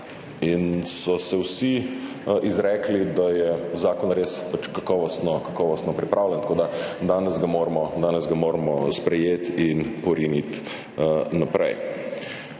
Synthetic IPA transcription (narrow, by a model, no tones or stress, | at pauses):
insɔsɛwsi | ʔizɾɛːklid̪ajɛzaːkɔnɾeːspat͡ʃkakɔːʋɔst̪nɔkḁkɔːʋɔst̪nɔpɾipɾʔaːwlʲɛnt̪̚koːd̪ad̪aːnɛzɡamoːɾmɔd̪aːnɛzɡamoːɾmɔspɾɛjeːt̪inpɔɾinit̪ | napɾɛ̰j